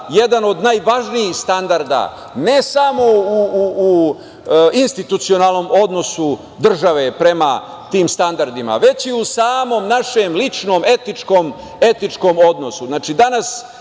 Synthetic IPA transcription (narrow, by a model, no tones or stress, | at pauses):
je̞d̪ano̞d̪najʋaʒnijixst̪and̪aɾd̪a̰ | ne̞samo̞uː | inst̪it̪ut̪sio̞naːlˠno̞ːmo̞d̪no̞su | d̪r̩ʒaʋe̞pɾe̞ma̰ | t̪iːmst̪and̪aɾd̪ima̰ʋe̞t͡ɕiusaːmo̞mnaʃe̞mlit͡ʃnoːme̞t̪nit͡ʃkoːm | e̞t̪nit͡ʃko̞ːmo̞d̪no̞suznaːt͡ʃid̪anas